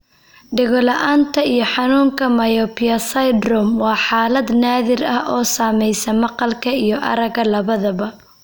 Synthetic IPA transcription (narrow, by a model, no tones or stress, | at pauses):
ɖɪɣɔlɐʔaːnt̪ʰɐijɞħɑnuːŋkʰɐmɐjɔpʰiɐsɐjd̪rɔmwɑːħaːlɐd̪naːðɪrɐhʔɔːsaːmɛjsɐmɑqɑlkʰɐijɞʔɐ̰ɾɐɣɐlɐβɐðɐβɐ